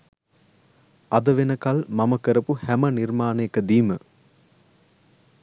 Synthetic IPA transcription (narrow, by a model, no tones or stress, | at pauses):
ɐd̪əʋenəkalmaməkəɾəpuhæmənirmaːneekəd̪iːmə